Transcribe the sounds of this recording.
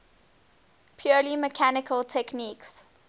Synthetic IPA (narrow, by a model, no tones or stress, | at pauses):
pʰjɔliməkʰanɪkʰəltʰɛkniks